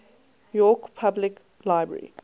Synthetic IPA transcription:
jɔkpʰablɪk | laɪbɹɛ̰ɹḭ

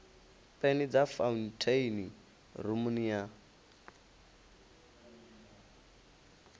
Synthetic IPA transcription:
pʼenid͡zafauntʰeini | rumunia

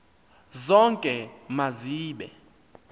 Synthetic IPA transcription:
zɔŋkʼɛmaziːɓɛ̰

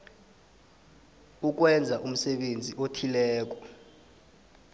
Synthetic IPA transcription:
uk̬wɛnd͡zʱaʔum̩sɛɓend͡zʱiʔotʰilɛːk̬ɔ

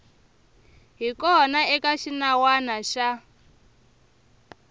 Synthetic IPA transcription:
ɦikɔnaɛkaʃinawanaʃa

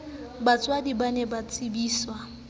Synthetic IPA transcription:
bat͡sʼwadibanɛbat͡sʼibiːswa

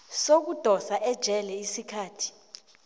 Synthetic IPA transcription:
sok̬ud̥ʱɔsaʔɛd̥ʒ̥ʱɛlɛisikʰaːtʰi̥

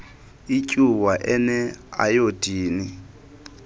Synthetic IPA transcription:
icʼuwaʔɛnɛa̰jod̥iːni

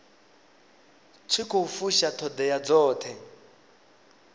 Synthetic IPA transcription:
t͡sʰikʰofuʃat̪ʰɔd̪ɛjad͡zɔːt̪ʰɛ

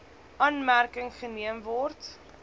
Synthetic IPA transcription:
ʔɑːnmærkəŋχəniəmvɔrt

